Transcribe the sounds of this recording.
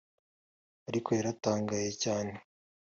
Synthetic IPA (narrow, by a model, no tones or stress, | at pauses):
aɾikʰo̞jaɾataːŋɡaje̞caːne